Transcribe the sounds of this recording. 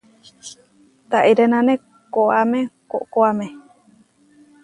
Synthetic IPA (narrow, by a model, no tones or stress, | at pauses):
t̪aʔiɾenãnẽ | koamẽkoʔkoamẽ